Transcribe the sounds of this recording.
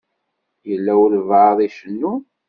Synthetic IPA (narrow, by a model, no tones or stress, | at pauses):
jəlːæwəɾvðˤiʃənːun